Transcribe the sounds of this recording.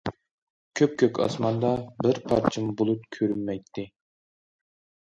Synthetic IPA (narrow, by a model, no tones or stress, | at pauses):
kʲʰøp̚kʲʰøkʲɑ̰smɑnd̪ɑbɪɾpʰɑ̰ɾt͡ʃʰimbolˠup̚kʲʰøɾynmɛjt̪ʰːɪ